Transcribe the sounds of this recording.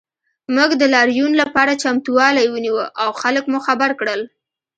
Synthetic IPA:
muɡd̪əlɑɾjunlapɑɾat͡ʃamt̪uwɑlajwəniwəʔawxaləkmuxabaɾkɽəl

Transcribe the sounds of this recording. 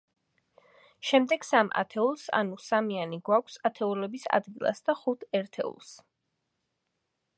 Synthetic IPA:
ʃɛmd̪ɛɡ̥samʔa̰t̪ʰɛulˠsa̰nusamianiɡwakʷʰsat̪ʰɛulɛbisa̰d̪ɡilˠa̰sd̪̥aχut̪ʰɛɾt̪ʰɛ̰ṵlˠs

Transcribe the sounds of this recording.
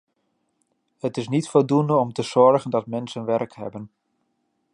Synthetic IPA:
hətɪsnitfɔlˠdundəɔmtəz̥ɔɹɣəndɑtmɛnsənʋɛrkhɛ̰bən

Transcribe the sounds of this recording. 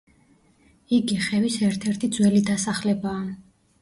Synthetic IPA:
iɡiχɛvisɛɾt̪ʰɛɾt̪ʰid̪zwɛlid̪asaχlɛbaː

